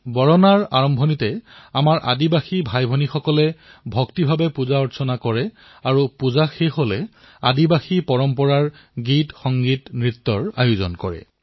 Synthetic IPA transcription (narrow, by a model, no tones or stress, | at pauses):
bɔɹɔnaɹa̰ɹɔmbʱɔnitɛamaɹʔa̰dibaxibʱajbʱonixɔkɔlɛbʱɔktibʱabɛpuzaɔɹsʰɔnakɔɹɛ | aɹupuzaxexolɛ | a̰dibaxipɔɹɔmpɔɹaɹ | ɡitxɔŋɡitnɹit̪ːɔɹa̰juzɔ̰nkɔɹɛ̰